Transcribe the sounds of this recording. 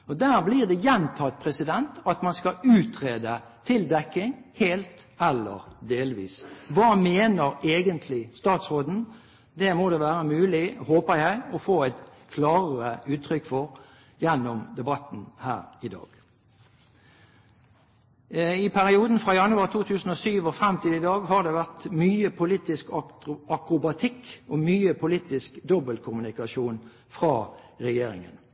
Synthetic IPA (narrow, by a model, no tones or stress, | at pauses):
ɔd̪æːʁbliːʁd̪ɛjɛnt̪ʰɑt̪̚pʰʁɛsɪd̪ɛnt̪ɑt̪mɑnskɑʉːt̪ʰʁeːd̪ət̪ʰɪld̪ɛkːɪŋheːlt̪ | ɛlːə̰ɾd̪eːlʋḭːsʋɑːmeːnəɾeːɡənt̪ʰlɪst̪ɑːt̪sʁoːd̪n̩ | d̪ɛmod̪ɛʋæːʁəmʉːlɪhoːpəɾjæɪɔfoːæɪt̪kʰlɑːʁəʉːt̪ʰʁʏkːfɔɾ | jɛnːʊmd̪ɛbɑt̪nhæ̰ːɾɪd̪ɑ̰ːɡ̥ | ɪpʰæʁɪuːd̪n̩fʁɑːjɑnʉɑʁt̪ʰuːt̪ʰʉːsn̩ɔːsyːʋɔfʁɾɛmt̪ʰiːd̪əɪd̪ɑːɡɦɑd̪ɛʋæʁt̪myːəpʰʊliːt̪ɪskɑɑkʁʊbɑt̪ʰɪkːɔmyːəpʰʊliːt̪ɪskd̪ɔbəlkʰʊmʉnɪkɑʃuːn | fʁɑːʁɛjeːɾɪ̰ŋə̰n